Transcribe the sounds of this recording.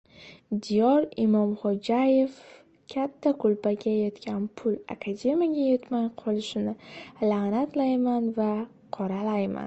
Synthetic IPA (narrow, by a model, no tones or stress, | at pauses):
d̪ijɒɾimɒmχɒd͡ʒaje̞f | kʲʰat̪ʰːakʰʊlpaɡʲajɒt̪kʲʰanpʰʊla̰kʰad̪ʲe̞mʲijaɡʲajet̪majqʰɒlɪʃɪnɪlanat̪lajmanva | qʰɒɾalajma̰n